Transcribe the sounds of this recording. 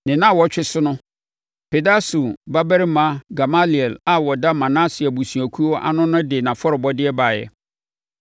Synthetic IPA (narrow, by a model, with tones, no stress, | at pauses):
nɪ̃˨nã˦˨wɔ˨˦t͡ɕᶣɪ˦sʊ˦nʊ̃˦ | pʰe˨da˦su˨ba˦bɛ˦ɾɪ˦mã˦ɡa˨ma˦li˨ɛ˨la˦wɔ˨da˦mã˨nã˦sɪ˨a˨bu˨sũ˨æ˨kʰu˦ɔ˦ʔa̰˦nʊ̃˦nʊ̃˦dɪ˨nã˨fɔ˦ɾɪ˨bɔ˦dɪ˦ɛ˦ba˨jɛ̰˨